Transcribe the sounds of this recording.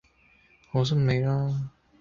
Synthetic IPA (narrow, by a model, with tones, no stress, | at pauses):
ho˨˥˦s̬ɐ˥mne˨˧jlaː˥